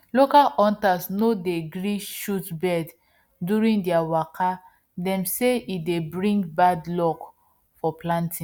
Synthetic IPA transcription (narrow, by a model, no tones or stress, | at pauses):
lokalɔ̃ntasnodeɡɹiʃutbɛd | duɹĩŋdiawakʰa | dɛ̃mseidebɹĩŋɡbadlɔk | fɔplãntʰĩ